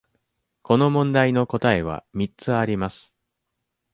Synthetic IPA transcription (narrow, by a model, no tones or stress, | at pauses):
ko̞no̞mõ̞nd̪aino̞ko̞t̪ae̞β̞a̰mʲit͡sɨaɾʲimasɨ̥